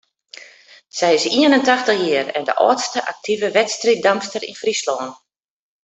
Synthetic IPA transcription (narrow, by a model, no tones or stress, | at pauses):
sɛjɪsiənəntaxtəxjiərɛndə̰ʔɔ̰ːtstəʔak̚tʰivəʋɛtstrit̚damstərḭnfrislɔːn